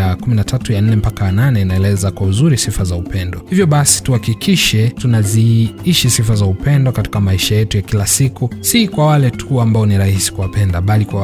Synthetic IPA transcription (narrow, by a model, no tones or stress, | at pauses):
akuminatʰatujan̩nɛm̩pakaananɛinaɛlɛzakwauzuɾisifazaupɛndɔhivjɔɓasi̥tuhakikiʃɛtunaziiʃisifazaupɛndɔkati̥kamaiʃajɛtujakilasikusikwawalɛtʰuambaɔniɾahisi̥kuwapɛndaɓalikwa